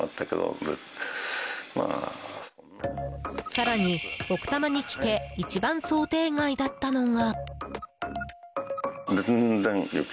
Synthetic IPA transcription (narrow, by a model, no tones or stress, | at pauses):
ʔa̰t̪ʰːaked̪o̰ | ma̰ | saɾaɲ̟io̞kɯ̟̥t̪amaɲ̟ikʲi̥t̪e̞it͡ɕibãɰ̃so̞ːt̪e̞ːŋaid̪at̪ːano̞ŋa | d͡zẽnnd͡zẽŋjo̰kʲ